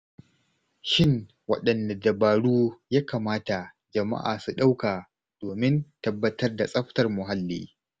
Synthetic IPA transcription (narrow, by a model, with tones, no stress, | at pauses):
ʃɪ˦ŋ | wɐ̰˦ɗɐ˨nda˨dɐ˨baː˨ɽuː˦jaː˦kaː˨maː˦ta˨ | d͡ʒɐ˨ma̰˦ʔa̰ː˨su˨ɗa˦wka˨ | d̥oː˨mɪ˦ntɐ˦bːɐ˦tɐ˦rda˨sʼɐ˦ɸtɐ˨rmʊ˨ɦa˦lːḭː˦